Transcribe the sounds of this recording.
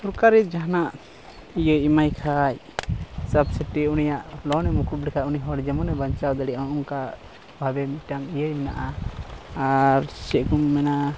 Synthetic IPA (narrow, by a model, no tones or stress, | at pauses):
suɾkaɾit̪̚d͡ʒaɦnaʔ | ijəjimajkʰaj | sabsəʈiunijaʔlɔnɛmukup̚likʰaʔuniɦɔɽd͡ʒɛmɔnɛbaɲt͡ʃawd̪aɽijaʔɔuŋka | bʱabɛmiʈaŋijəjmɛna̰ʔa | aɾt͡ʃɛʔkumːɛna